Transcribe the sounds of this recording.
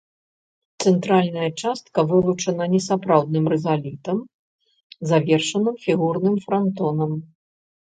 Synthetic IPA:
t̪sɛnt̪ɾalʲnɐjɐt͡ʂast̪kɐvɨlˠut͡ʂɐnɐnʲɛsapɾawd̪̚nɨmrɛzalʲit̪ɐm | zavʲɛrʂɐnɨmfʲiɣurnɨmfɾant̪ɔnɐm

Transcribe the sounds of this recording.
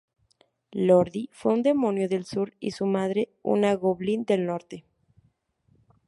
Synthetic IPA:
loɾðifweund̪e̞mo̞njoðe̞lsuɾḭsumaðɾe̞ṵnaɣoβlind̪e̞lno̞ɾt̪e̞

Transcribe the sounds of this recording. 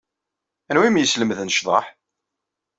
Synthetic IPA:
ænwimjəsləmðnʃðˤɑ̰ħ

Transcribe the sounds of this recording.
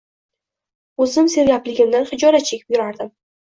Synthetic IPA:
ɵzɪmse̞ɾɡʲaplɪɡʲɪmd̪anχɪd͡ʒɒɾat͡ʃʰe̞kʲɪ̥p̚jʊɾaɾd̪ɪm

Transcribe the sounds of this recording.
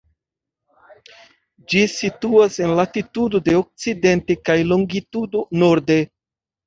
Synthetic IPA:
d͡ʒisituase̞nlatitudo̞de̞ok̚t͡side̞ntekajlo̞ŋɡitudo̞noɾde

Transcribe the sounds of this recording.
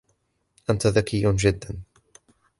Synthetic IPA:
ʔant̪aðakɪjd͡ʒɪd̪ːan

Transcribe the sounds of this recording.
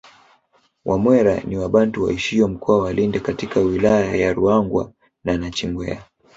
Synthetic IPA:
wʔamwɛɾaniwaɓantuwa̰iʃiɔm̩kɔawalindɛkatikawilajajaɾuaŋɡwa̰ | nanat͡ʃiŋɡwɛ̰a

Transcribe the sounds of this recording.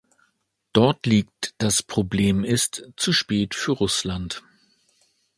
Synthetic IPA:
d̥ɔɐtliːk̚td̥aspʁ̥obleːmɪstt͡suʃpɛːtfyːɐʁʊslant

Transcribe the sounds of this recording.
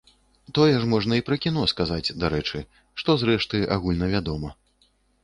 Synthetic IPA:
t̪ɔjɛʐmɔʐnɐipɾɐkʲinɔskazad͡zʲd̪aɾɛt͡ʂɨ | ʂt̪ɔzɾɛʂt̪ɨʔa̰ɣulʲnɐvʲad̪ɔmɐ

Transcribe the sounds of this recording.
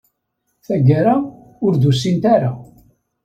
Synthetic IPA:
θæɡaɾa | ʊɾd̪us̬ːint̪aɾa

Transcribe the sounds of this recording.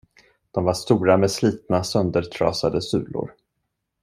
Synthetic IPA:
d̪̥ɔmvaʂt̪uːɾamɛsliːt̪̚nasœnd̪əʈʰɾɑ̰ːsad̪əsʉ̟ːlʊ̰ɾ

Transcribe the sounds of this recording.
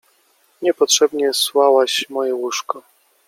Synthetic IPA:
ɲɛpɔtʂɛbɲɛswawaɕmɔjɛwuʂkɔ

